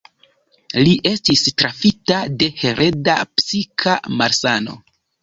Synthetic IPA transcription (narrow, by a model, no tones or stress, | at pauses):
liʔe̞stistɾafitade̞he̞ɾʔe̞dapsikʰamaɾsano̞̰